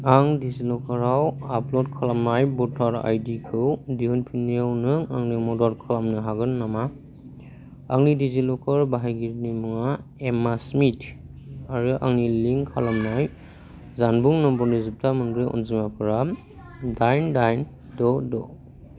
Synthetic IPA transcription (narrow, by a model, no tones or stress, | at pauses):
aŋdizilɔkʰaɾawaplɔd̚kʰalamnajbɔtʰaɾa̰jdikʰɯwdiunpʰinijawnɯŋa̰ŋnimɔdɔɾkʰalamnɯɦaɡɯnːama | a̰ŋnidizilɔkʰɯɾbaɦajɡiɾnimɯŋaemasmitʰ | aɾɯʔa̰ŋniliŋkʰa̰lamnaj | zanbuŋnɔmbɔnizip̚tʰamɯndɾɯɔ̰nzimapʰɯɾa | dajndajn | dɔdɔ